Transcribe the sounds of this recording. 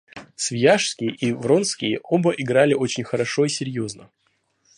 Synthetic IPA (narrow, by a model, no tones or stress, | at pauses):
svʲjaʂskʲɪjəʔivɾo̞nskʲɪjəʔo̞bəʔɪɡɾalʲɪo̞t͡ɕɪnʲxəɾɐʂo̞isʲɪɾʲjoznə